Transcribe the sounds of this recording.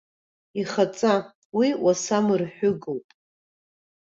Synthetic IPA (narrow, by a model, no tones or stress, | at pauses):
iχat͡sʼa | wiwasamɨrħʷᶣʊɡowpʼ